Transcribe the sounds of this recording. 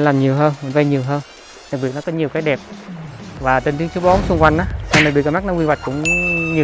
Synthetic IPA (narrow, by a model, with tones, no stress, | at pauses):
laː˨˩mɲi˨˩əwɦəː˧n˨˩nva˧ɲi˨˩əwɦəː˧n | ɗa˨˩k̚ɓi˨˩ət̚nɔ˨˦kɔ˨˦ɲi˨˩əwkaː˨˦jɗɛ˨˩p̚ | vaː˨˩t̪e˨˧˩nt̪i˨˧əŋt͡ɕu˨˦ɓo˨˦nsʊ˧ŋ͡mkwa˧jŋ̟ʔaː˨˦sa˧˩ɗk̚i˨˩k̚ːma˦˥nɔ˨˦wi˧nwa˨˩jk̚kʊ̰˧˥ŋ͡mɲi˨˩